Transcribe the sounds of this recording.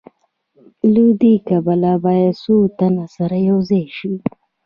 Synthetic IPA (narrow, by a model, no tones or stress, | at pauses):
lud̪ikabalabajad̪sut̪anasaɾajawzeʃi